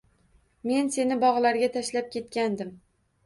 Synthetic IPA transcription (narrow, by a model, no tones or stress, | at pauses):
me̞nse̞nɪbɒʁlˠaɾɡʲat̪ʰaʃlap̚kʲʰe̞t̪̚kʲand̪ɪm